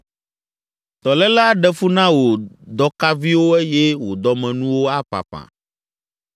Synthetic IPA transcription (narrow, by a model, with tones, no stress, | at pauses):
t̪ɔ˨lɛ˦la˦ɖɛ˦fu˦nã˦wo˨d̪ɔ˦ka˦vi˦wo˦ɛ˦jɛ˦wo˨d̪ɔ˦mɛ̃˨nũ˦wo˦a˦pa̰˨pã̰˨